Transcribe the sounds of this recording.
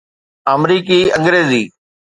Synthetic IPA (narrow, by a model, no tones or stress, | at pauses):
amɾiːkiːə̃ŋɡɾeːziː